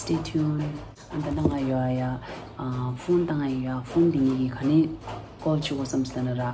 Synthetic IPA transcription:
stetʰiun | and̪alaŋajoaja | pʰont̪aŋajjapʰond̪iŋiɡikʰane | kɔlt͡ʃʰikosɐmslanaɾa

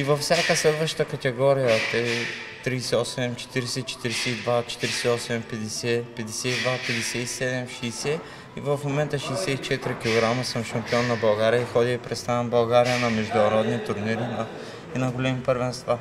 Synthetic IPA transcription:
ivɐfsʲjakəslɛd̪vəʃt̪əkɐt̪ɛɡɔɾijət̪ɛit̪ɾisɛɔsɛmt͡ʃɛ̥t̪iɾɛsɛt͡ʃɛ̥t̪iɾɛsɛid̪vat͡ʃɛ̥t̪iɾɛsɛɔsɛmpɛd̪ɛsɛpɛd̪ɛsɛid̪vapɛd̪ɛsɛisɛd̪ɛmʃɛːsɛ | ivɐfmomɛnt̪əʃiːsɛit͡ʃɛt̪iɾikilˠoɡɾamɐsəmʃɐmpiɔnːɐbɐlˠɡaɾijəixɔd̪iipɾɛt̪st̪anbɐlˠɡaɾijənɐmɛʒd̪unɐɾɔd̪nit̪ʊɾniɾinɐ | inɐɡolɛmipəɾvɛnst̪va

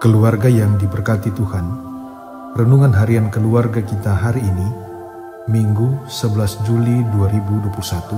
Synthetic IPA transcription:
kəluarɡajaŋdibərkat̪it̪uhan | rənduŋanɦaɾiankəluarɡakit̪aɦaɾiːni | miŋɡusəbəlasd͡ʒuliduaɾibuduapulusat̪u

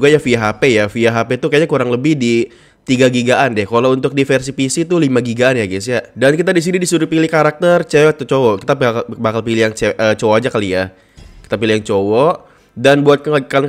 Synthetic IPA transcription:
uɡajafiaɦapejafiaɦapet̪ukajɲakuɾaŋləbɪhdi | t̪iɡaɡiɡaʔandɛhkalount̪ʊk̚difɛrs̬ipisit̪ulimaɡiɡaːnjaɡis̬iaʔdankit̪adis̬inidisuɾupilihkaɾak̚t̪ərt͡ʃɛwt̪ut͡ʃowɔkit̪apbakalpilijaŋt͡ʃeʔət͡ʃowad͡ʒakalia | ki̥t̪apilijaŋt͡ʃowɔʔ | danbuat̪̚kka

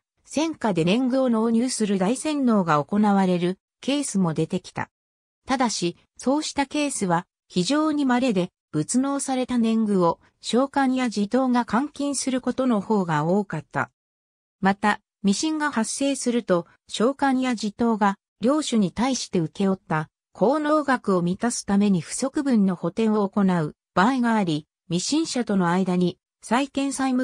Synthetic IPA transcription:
sẽ̞ŋkad̪e̞nẽ̞ŋɡɯ̟o̞no̞ːɲ̟ɨːsɨɾɯ̟d̪aisẽ̞nːo̞ːɡao̞ko̞naβaɾe̞ɾɯ̟ | ke̞ːsɨmo̞d̪e̞t̪e̞kʲi̥t̪a̰ | t̪ad̪aɕi | so̞ːɕi̥t̪ake̞ːsɨβa | çiʑo̞ːɲ̟imaɾe̞d̪e̞ | b̥ɯ̟t͡sɨno̞ːsaɾe̞t̪anẽ̞ŋɡɯ̟o̞ | ɕo̞ːkãɰ̃jaʑit̪o̞ːɡakãŋkʲĩɰ̃sɨɾɯ̟ko̞t̪o̞no̞ho̞ːɡao̞ːkat̪ːa̰ | mat̪a | mʲiɕĩŋɡahasːe̞ːsɨɾɯ̟t̪o̞ | ɕo̞ːkãɰ̃jad͡ʑit̪o̞ːɡa | ɾʲo̞ːɕɨɲ̟it̪aiɕi̥t̪e̞ɯ̟ke̞jo̞t̪ːa | kʰo̞ːno̞ːɡakɯ̟o̞mʲit̪asɨ̥t̪ame̞ɲ̟iɸɯ̟̥so̞kɯ̟bɯ̟̃nːo̞ho̞t̪ẽ̞ɰ̃o̞ːko̞naɯ̟ | b̥aiɡaːɾʲi | mʲiɕĩɰ̃ɕat̪o̞no̞aid̪aɲ̟i | saikẽ̞ɰ̃saimɯ

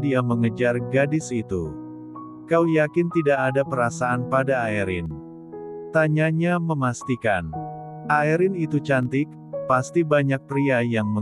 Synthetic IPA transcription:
diaməŋəd͡ʒarɡadɪsit̪ṵ | kawjakɪnt̪idaʔːdapəɾasaanpadaːiɾɪ̰n | t̪aɲaɲaməmast̪ikan | ʔaiɾɪnit̪ut͡ʃant̪ɪk̚ | past̪ibaɲak̚pɾiajaŋmə

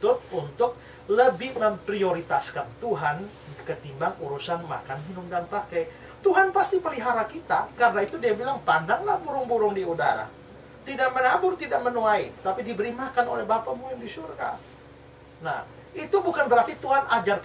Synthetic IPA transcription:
t̪ʊt̪̚unt̪ʊk̚ | ləbɪhməmpɾioɾit̪askant̪uɦan | kət̪imbaŋuɾusanma̰kanɦinʊŋdanpakɛ | t̪uɦanpast̪ipəliɦaɾakit̪a̰karnait̪udiabilaŋpandaŋlahbuɾʊŋbuɾʊŋdiuda̰ɾa̰ | t̪idaʔmənabʊrt̪idaʔmənoait̪apidibəɾimakano̰lɛhbapamuamdisurɡa̰ | na̰h | it̪ubukanbəɾart̪it̪uɦanad͡ʒar

